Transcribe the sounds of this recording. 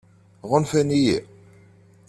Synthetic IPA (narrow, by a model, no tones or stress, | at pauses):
ʁʊnfæniji